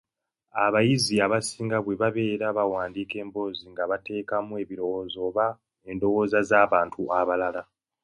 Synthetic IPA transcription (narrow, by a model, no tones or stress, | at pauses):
aβajiziaβasiːŋɡaβwe̞βaβe̞ːɾaβawaːndiːke̞ːmbo̞ːziŋɡaβate̞ːkamue̞ːβiɾo̞woːzo̞ːβa | e̞ndo̞wo̞ːzazaːβaːntʰuʔaβalala